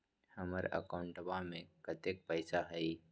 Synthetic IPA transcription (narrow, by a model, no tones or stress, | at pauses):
həməɾə̰kaʊ̃ɳʈəbamẽkət̪ek̚pəɪsaɦɐi